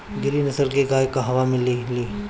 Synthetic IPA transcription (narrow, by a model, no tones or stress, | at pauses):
ɡɪɾinɐsəɾkeɡaːjkaɦɐʋamɪ̃liliː